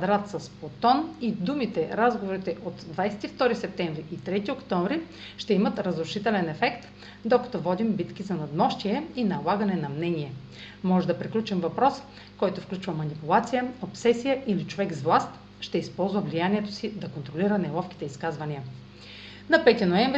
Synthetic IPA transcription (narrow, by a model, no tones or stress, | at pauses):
kvɐd̪ɾat̪sɐspot̪ɔnid̪umit̪ɛɾazɡovoɾit̪ɛʔot̪d̪vajsɛ̥t̪ift̪ɔɾisɛp̚t̪ɛɱvɾiʔit̪ɾɛt̪iokt̪ɔɱvɾi | ʃt̪ɛimət̪ɾəzɾʊʃit̪ɛlɛnɛfɛkt̪ | d̪okɐ̥t̪ɔvɔd̪imbit̪kizɐnɐd̪mɔʃt̪iɛinɐlˠaɡɐnɛnɐmnɛniɛ | mɔʒɛd̪ɐpɾiklʲut͡ʃɛmvɐpɾɔs | kɔjt̪ofklʲut͡ʃvɐmɐnipulˠat̪sijəopsɛsijəʔilit͡ʃovɛkzvlˠast̪ | ʃt̪ɛispɔlˠzvəvlijaniɛt̪o̥sid̪ɐkont̪ɾoliɾənɛlˠɔfk̟i̥t̪ɛiskazvɐniə | nɐpɛt̪inoɛmvɾ